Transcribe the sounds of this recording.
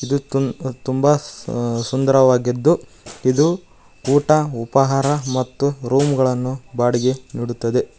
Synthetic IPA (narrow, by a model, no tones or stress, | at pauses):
id̪ut̪umbɐsund̪ɐɾɐʋaːɡid̪ːu | id̪u | uːʈɐupɐɦaːɾɐmɐt̪ːuɾuːmɡɐɭɐnːubaːɽiɡe̞niːɽut̪ːɐd̪e̞